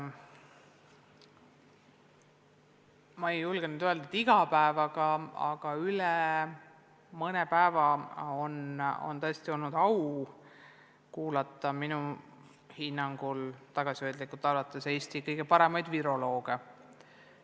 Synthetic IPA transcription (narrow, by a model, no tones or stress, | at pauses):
mɑejulɡ̥enyd̪ø̞ld̪ɑd̪iɡ̥ɑpæevɑɡɑɑ̰ɡ̥ɑylɛ | mɤnepæevɑo̞no̰nt̪ɤe̞st̪io̞lnud̪̥ɑw | kuːlɑt̪ːˑɑminu | hinːɑŋɡ̥ult̪ɑɡ̥ɑsiøjd̪likːˑult̪ːˑɑlvɑt̪ːˑese̞ːst̪ikɤjɡ̥e̞pɑɾe̞mɑjd̪viɾo̞lo̞ːɡ̥e̞